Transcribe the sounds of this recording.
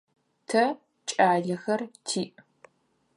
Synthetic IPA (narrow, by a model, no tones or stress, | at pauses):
tʰɐ | t͡ʃʼaːɮɐxɐrtʰiːʔ